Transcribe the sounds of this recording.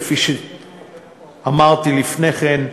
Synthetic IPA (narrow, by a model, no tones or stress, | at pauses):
fiʃe | amaʁt̪ilifneχen